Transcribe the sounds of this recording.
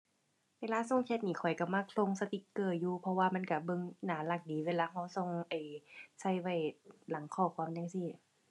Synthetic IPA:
weː˧laː˧˥˨so˧˥˨ŋtʰe˧˥t̪̚niː˧˩kʰɔ˨˩jka˧˩maː˧˨kʰlo˧˥˨ŋsa˧t̪i˧˦kɤː˧˩t̚juː˧pʰɔ˧waː˧ma˧˥˨nka˧˩bɤ˧˨ŋnaː˨˦la˧˩k̚diː˨˦weː˧˨laː˧ɦa˧˩wso˧˨ŋʔa˨˩jsa˧˩jwa˧˩jla˨˦ŋkʰɔː˧˩kʰwaː˧˨na˧˥˨siː˧˨

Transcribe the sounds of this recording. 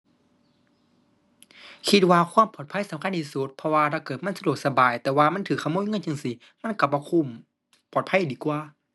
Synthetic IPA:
kʰi˧t̪̚waː˧kʰwaː˧˥˨mpɔː˨˩t̪̚pʰa˧˥˨jsa˨˦mkʰa˧˥˨nt̪ʰiː˧˩su˧˦t̪̚pʰɔ˧waː˧t̪ʰaː˧˩kɤː˨˩ma˧˥˨sa˧du˨˩k̚sa˧baː˨˩jt̪ɛː˨˧waː˧ma˧˥˨nt̪ʰɯː˨˩kʰːa˧˨moː˧˥˨jŋɤ˧˥˨nt͡ɕa˧˩˨ŋsi˧˦ | ma˧˥˨nka˧˩bɔː˧˦kʰu˧˩˨m | pɔː˨t̪̚pʰa˧˥˨diː˨˦kwaː˧

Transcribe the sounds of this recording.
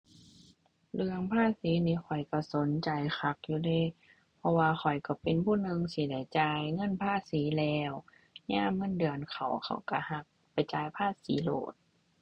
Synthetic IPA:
lɯ˧əŋpʰaː˧˥˨siː˨˦niː˧˩˨xʰɔ˨˩jka˧˩so˨˦nt͡ɕa˨jxʰa˧˩k̚juː˧dɤː˧˥˨ | pʰɔ˧waː˧xʰɔ˨˩jka˧˩pe˨npʰuː˧˥˨nɯ˧ŋsi˧˦da˧˩jt͡ɕaː˧jŋɤ˧˥˨npʰaː˧˥˩siː˨˦lɛː˧w | ɲaː˧˥˨mːɤ˧˥˨ndɯ˨ənkʰa̰˨˩wkʰa̰˨˩wka˧˩ha˧˩k̚pa˨jt͡ɕaː˧jpʰaː˧˥˩siː˨˦lo̰ː˧˩t̪̚

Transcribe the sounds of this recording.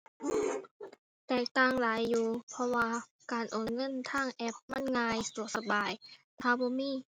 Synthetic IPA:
t̪ɛː˨˩k̚t̪aː˧˨ŋlaː˨˦jːuː˧˩pʰɔ˧waː˧ | kaː˨˩nʔoː˨˩nŋɤ˧˥˨nt̪ʰaː˧˥˩ŋʔɛ˧˥p̚ma˧˥˨nŋaː˧jt̪u˨˩ək̚sa˧baː˨˩jt̪ʰaː˧˨bɔː˧˦miː˧˥˨

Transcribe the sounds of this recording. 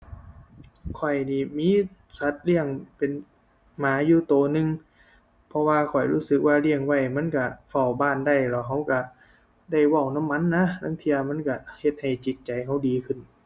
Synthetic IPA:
kʰɔ˨˩jniː˧˩miː˧˥˨sa˧˦t̪̚li˧˥˩əŋpe˨n | maː˨˦juː˧t̪oː˨˩nɯ˧ŋ | pʰɔ˧waː˧kʰɔ˨˩jɾuː˧˥˩sɯ˧˦k̚waː˧li˧˥˩əŋwa˧˩jma˧˥˨nka˧˩fa˧˩wbaː˧˩˨nda˧˩jlɛ˧˩wɦa˧˩wka˧˩ | da˧˥˩jwɔ˧˩˨wna˧˥˨mːa˧˥˨nːa˧˥˨na˧˥˨ŋt̪ʰi˧ɐma˧˥˨nka˧˩he˧˦t̪̚ha˨˩jt͡ɕi˨˦t̪̚t͡ɕa˨jɦa˧˩wdiː˨˦kʰɯ˧˥˨n

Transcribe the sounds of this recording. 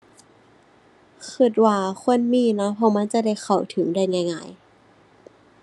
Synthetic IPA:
kʰɯ˧˩t̪̚waː˧˩kʰo˧˥˨nmiː˧˥˨na˦˥pʰɔ˧˥ma˧˥˨nt͡ɕa˧˨da˧˩jxʰa˨˩wt̪ʰɯ˨˩˦ŋda˧˩jŋaː˧˩jŋaː˧˩˨j

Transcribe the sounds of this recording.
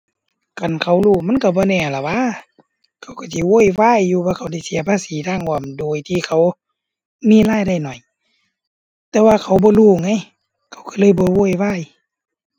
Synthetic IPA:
ka˨nkʰa˧˩wluː˧˩ma˧˥˨nka˧˩bɔː˧˨nɛː˧˩la˨˩waː˧˥˨ | kʰa˧˩wka˧˩si˧˦woː˧˥˨jwaː˧˥˨jːuː˧baː˧˩kʰa˧˩wda˧˩˨si˨˦ɐpʰaː˧˥˨siː˨˦taː˧˥˨ŋhmdoː˨jt̪ʰiː˧˨kʰa˧˩w | miː˧˨laː˧˨jda˧˩˨jnɔ˨˩j | t̪ɛː˧waː˧kʰa˧˩wbɔː˧˦luː˧˩ŋa˧˥˨j | kʰa˧˩wkʰa˧˩lɤː˧˥˨jbɔː˧˦woː˧˥˨jwaː˧˥˨j

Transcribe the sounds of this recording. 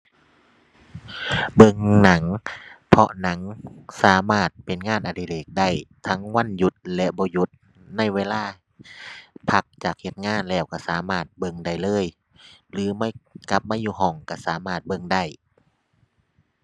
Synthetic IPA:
bɤ˧˨ŋna˨˦ŋpʰɔ˧ʔna˨˦ŋsaː˨˦maː˧˩t̪̚pe˨˩nŋaː˧˥˨nʔa˨˩di˧˩leː˨˩k̚da˧˥˩jt̪ʰa˧˥ŋwa˧˥˨nju˧˦t̪̚lɛ˧bɔː˧˦ju˧˦t̪̚ | na˧˥˨jweː˧˥˨laː˧˥˩ | pʰa˧˦k̚t͡ɕaː˨˩k̚he˧˦t̪̚ŋaː˧˥˨nlɛː˧˩wka˧˩˨saː˨˦maː˧˩t̪̚bɤ˧˩ŋda˧˩jlɤː˧˥˨j | lɯː˨˦mː˧˥˨ka˧˦p̚maː˧˥˨juː˧˩ɦɔː˧˩ŋka˧˩saː˨˦maː˧˩t̪̚bɤ˧˨ŋda˧˩j

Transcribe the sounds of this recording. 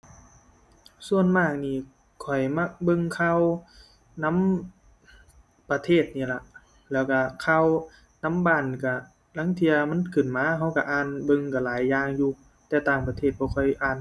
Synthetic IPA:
su˧ənmaː˧˩k̚niː˧˩ | kʰɔ˨˩jma˧˥k̚bɤ˧ŋkʰa˧˥˨w | na˧˥˨m | pa˧t̪ʰeː˧˥˩t̪̚niː˧˩˨la˧˩ʔ | lɛː˧˩wka˧˩kʰa˧˨w | na˧˥˨mbaː˧˩nka˧˩ | la˧˥˨ŋt̪ʰi˧ɐma˧˥˨nkʰɯ˨˩nmaː˧˥˨ɦa˧˥wka˧˩ʔaː˧nbɤ˧ŋka˧˩laː˨˦jːaː˧ŋjuː˧ | t̪ɛː˧˩t̪aː˧˩ŋpa˧t̪ʰeː˧˩t̪̚bɔː˧kʰɔ˧˩jʔaː˧˩n

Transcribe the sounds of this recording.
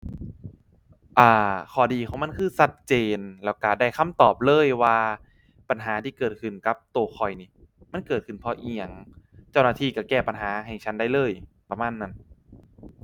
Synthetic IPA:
ʔaː˧˩kʰɔː˨˩diː˧kʰɔ˨˦ma˧˥˨nkʰɯː˧˩sa˧˥t̪̚t͡ɕeː˧nlɛː˨˧˥wka˧˩daː˧˩jkʰa˧˥˩mt̪ɔː˨˩p̚lɤː˧˥˩jwaː˧ | pa˧nɦaː˨˦t̪ʰiː˧˩kɤː˨˩t̪̚kʰɯ˨˩nka˧˦p̚t̪u˧xʰɔ˨˩jniː˧˩ | ma˧˥˨nkɤː˨˩t̪̚kʰɯ˨˩npʰɔ˧ʔi˧˩ə˩ŋt͡ɕa˥˩wnaː˧t̪ʰiː˧˩ka˧˩kɛː˧˩pa˧nɦaː˩˦ɦɛ˨˩ŋt͡ɕʰa˦˥nda˥˩jlɤː˧˩jpɾa˧maː˧˥˨nːa˧˥n

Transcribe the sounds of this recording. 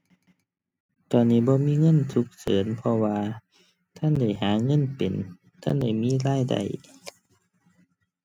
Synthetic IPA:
t̪ɔː˨nːiː˧˩˨bɔː˧˦miː˧˥˨ŋɤ˧˥˨nsu˧˦k̚sɤː˨˩˦npʰɔ˧waː˧ | t̪ʰa˧˥˨nda˧˩jhaː˨˩˦ŋɤ˧˥˨npe˨˩n | t̪ʰa˧˥˨nda˧˩jmiː˧˥˨laː˧˥˨jda̰˨˩j

